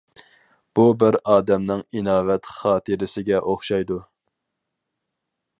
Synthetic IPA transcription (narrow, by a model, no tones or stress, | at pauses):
b̥ubɪɾɑːd̪ɛmnɪŋinɑːvɛt̪χɑːt̪ʰɨɾɪsɪɡʲɛʔoχʃɑjd̪u